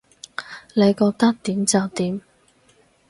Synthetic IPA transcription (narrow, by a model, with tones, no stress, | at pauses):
le˨˧jkɔː˧k̚t̪ɐ˥k̚t̪iː˨˥mt͡sɐ˨˧wt̪iː˨˥m